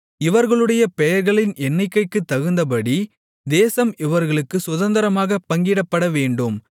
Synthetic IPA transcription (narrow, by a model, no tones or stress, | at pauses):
ɪʋɐɾɣɐɭɯɽɐjɐpɛjɐɾɣɐɭɪnʔɛɳːɐɪkːɐɪkːɯt̪ːɐɣɯnd̪ɐp̬ɐɽi | d̪eːsɐmɪʋɐɾɣɐɭɯkːɯsʊðɐnd̪ɐɾɐmaːɣɐpːɐŋɡɪɽɐpːɐɽɐʋeːɳɖɯm